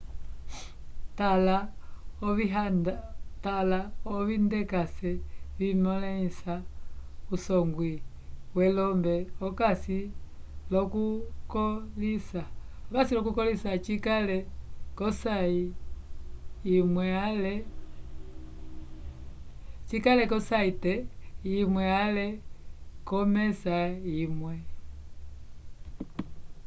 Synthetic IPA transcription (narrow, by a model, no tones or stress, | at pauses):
tala | ia | talaɔβindɛkasɛβimɔlaisa | usɔŋɡwi | wɛlɔmbɛɔkasi | lɔkukɔlisa | ɔkasilɔkukɔlisat͡ʃikalɛkɔsai | imwɛalɛ | t͡ʃikalɛkɔsaitɛimwɛalɛ | kɔmɛsaimwɛ